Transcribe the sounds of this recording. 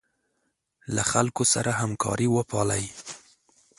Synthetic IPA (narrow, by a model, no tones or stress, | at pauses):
laxalkosa̰ɾaɦamkʰɑ̰ɾiwəpɑlaj